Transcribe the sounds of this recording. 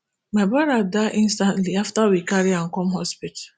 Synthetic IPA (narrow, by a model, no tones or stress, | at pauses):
mabaɾadaʔĩnstãntliaftawikaɾiãŋ̩kɔmɦɔspit